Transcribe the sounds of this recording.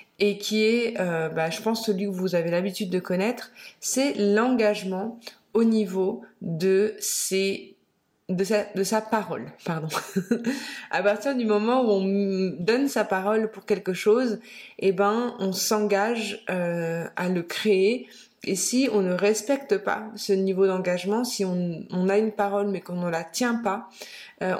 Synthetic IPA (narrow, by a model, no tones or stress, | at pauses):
ekʲʰiɛøbaʒəpɑ̃sːəlɥikəvuzavelabit̪yd̪ːəkɔnɛt̪χsɛlɑ̃ɡaʒmɑ̃ | onivod̪əse | d̪əsad̪əsapaʁɔlpaʁd̪ɔ̃ | a̰paʁt̪iʁd̪ymɔmɑ̃uɔ̃d̪ɔnsapaʁɔlpuʁkʲɛlkəʃozebɛ̃ɔ̃sɑ̃ɡaʒøaləkχee | esiɔ̃nəʁɛspɛk̚t̪əpa̰sənivod̪ɑ̃ɡaʒmɑ̃siɔ̃ːnaynpaʁɔlmɛkɔ̃nəlat̪jɛ̃paø